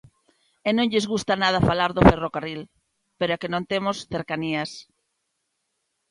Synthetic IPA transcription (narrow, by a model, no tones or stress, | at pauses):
enõŋʎezɣust̪anað̞afalaɾðoferokaril | peɾoakenõnt̪emosθeɾkanias